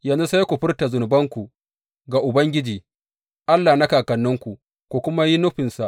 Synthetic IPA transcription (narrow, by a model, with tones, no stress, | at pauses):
jɐ˦nzu˦sa˦jkʷu˨ɸɪ˦rta˨zʊ˨nʊ˨bɐ˦ŋkʷu˨ | ɡa˨ʔʊ˨bɐ˦ŋɡʲɪ˦d͡ʒiː˨ | ʔa˦lːaː˨na˦kaː˨kɐ˨nːʊ˦ŋkʷu˨ | kʷu˨kʷʊ˦ma˦ji˦nʊ˦ɸɪ˨nsa˨ʔ